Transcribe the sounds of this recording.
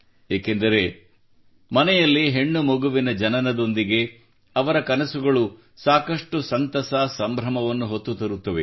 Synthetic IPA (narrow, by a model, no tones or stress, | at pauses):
eːkend̪ɐɾe̞ | mɐnɛjɐlːiɦe̞ɳːumoɡuʋinɐd͡ʒɐnɐnɐd̪o̞nd̪iɡe̞ | ɐʋɐɾɐkɐnɐsuɡɐɭu | saːkɐʂʈusɐnt̪ɐsaːsɐmbʱɾɐmɐʋɐnːuɦot̪ːut̪ɐɾut̪ːɐʋe